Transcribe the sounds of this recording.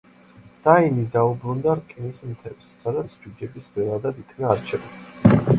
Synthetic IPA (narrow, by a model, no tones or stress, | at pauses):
d̪̥ainid̪aubɾund̪aɾkʼinismt̪ʰɛbsːad̪at̪sʰd͡ʒud͡ʒɛbisbɛɾad̪ad̪ikʰnaːɾt͡ʃʰɛvali